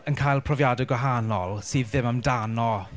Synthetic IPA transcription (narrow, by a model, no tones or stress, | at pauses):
ənkʰaːjlˠpʰrɔvjadɔɡwaɦanɔlˠsɨːðːɪməmdanɔ